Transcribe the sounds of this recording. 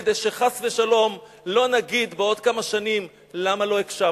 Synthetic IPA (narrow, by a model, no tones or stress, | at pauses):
d̪ejʃe̞χasve̞ʃalo̞m | lo̞naɡid̪beo̞d̪kamaʃanim | lamalo̞ekʃa